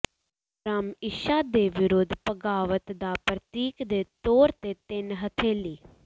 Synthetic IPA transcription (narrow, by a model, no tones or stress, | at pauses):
ɾaːmɪʃaːd̪eːʋɪɾʊd̪ʱpəɡaːʋət̪d̪aːpɾət̪iːkd̪eːt̪oːɾt̪eːt̪ɪnɦət̪ʰeːliː